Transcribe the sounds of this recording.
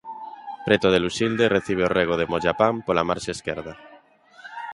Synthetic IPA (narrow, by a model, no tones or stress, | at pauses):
pɾet̪oð̞elusild̪ereθiβ̞eoreɣ̞oð̞emoʝapampolamaɾʃaeskḛɾð̞a